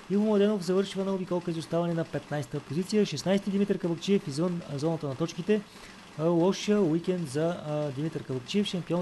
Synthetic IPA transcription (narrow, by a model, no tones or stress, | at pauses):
ivumlˠɐd̪ɛnofzɐvɤɾʃivənɐʊbikɔlˠkizʊst̪avɐnɛnɐpɛt̪najst̪əpozit̪sijəʃɛsnajst̪id̪imit̪əɾkəvɐkt͡ʃiɛfizvɤnzɔnət̪ənɐt̪ɔt͡ʃkit̪ɛ | lˠɔʃijəwikɛnd̪zɐd̪imit̪əɾkəvɐkt͡ʃiɛfʃɐmpiɔ